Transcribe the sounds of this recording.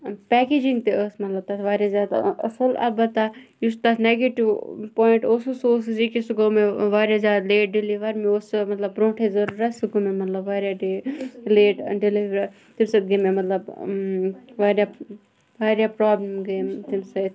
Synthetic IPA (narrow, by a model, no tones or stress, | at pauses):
pɛːkeːd͡ʒĩŋɡt̪eəsmɐt̪lɐb̚t̪ɐsʋaːɾjazjaːd̪ɐ̰sɐla̰bɐt̪ajust̪asneːɡeʈiʋpoːɪɳʈoːsusoːsizikisuɡoːmẽʋaːɾjazjaːd̪leːʈ̚ɖɪliʋɐɾmeoːsmɐt̪lɐbɾõːʈʰezɐɾuɾasuɡomemɐt̪lɐbʋaːɾjaɖleːʈɖɪliʋɾ | t̪imsɐt̪̚ɡememɐt̪lɐb | ʋaːɾja | ʋaːɾjapɾaːblemɡeːmt̪imsɐt̪ʰ